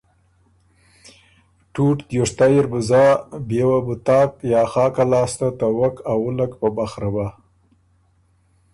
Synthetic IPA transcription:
ʈuʈd̪joʂt̪ajɪɾbʊzɑːbewabʊt̪ɑːkjɑːxɑːkalɑːst̪at̪awakawʊlakpabaxɾaba

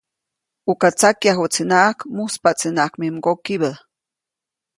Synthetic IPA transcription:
ukat͡sakjaxut͡sinaʔkmuspat͡sinakmimkokiβə

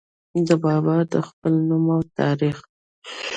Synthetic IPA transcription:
d̪əbɑbaɾd̪əxpəlnumawt̪ʰɑɾix

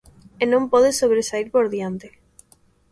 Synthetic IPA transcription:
enõmpoðesoβ̞ɾesaiɾpoɾðjant̪e

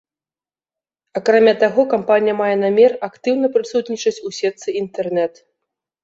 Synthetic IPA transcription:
akɾamʲat̪aɣɔkampanʲijɐmajɛnamʲɛrakt̪ɨwn̪ɐpɾɨsut̪nʲit͡ʂɐt͡sʲusʲɛt̪sɨint̪ɛrnɛt̪

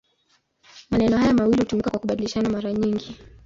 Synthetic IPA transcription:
manɛnɔhajamawilihutumikakwakuɓaɗiliʃanamaɾaɲiŋɡi

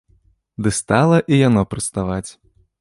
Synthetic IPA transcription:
d̪ɨst̪alˠɐʔijanɔpɾɨst̪avat͡sʲ

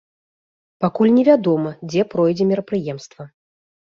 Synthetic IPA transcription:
pakulʲnʲɛvʲad̪ɔmɐd͡zʲɛpɾɔjd͡zʲɛmʲiɾɐpɾɨjɛmst̪vɐ

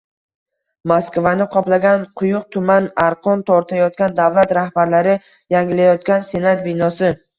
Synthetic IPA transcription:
maskvanɪqʰɒplaɡʲanqʰʊjʊq̚t̪ʰʊmanaɾqʰɒnt̪ʰɒɾt̪ʰajɒt̪̚kʲand̪avlˠat̪ɾahbaɾlaɾɪ | jaŋʲɪlajɒt̪̚kʲanse̞nat̪̚bɪnɒsɪ

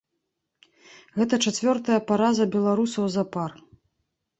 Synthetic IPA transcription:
ɣɛt̪̬ɐt͡ʂat͡sʲvʲɔrt̪ɐjɐpaɾazɐbʲɛlˠaɾusɐwzɐpar

